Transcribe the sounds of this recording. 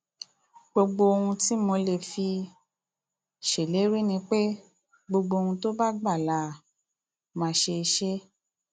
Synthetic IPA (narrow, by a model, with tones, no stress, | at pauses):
ɡ͡bo˧ɡ͡bo˧o˧hũ˧ti˦mo˧le˨fi˧ | ʃe˨le˨˦ɾi˦nĩ˧k͡pe˦ | ɡ͡bo˧ɡ͡bo˧hũ˧to˦ba˦ɡ͡ba˦˨la˨˦˨ | mãː˨˧˦ʃe˧ʃe˦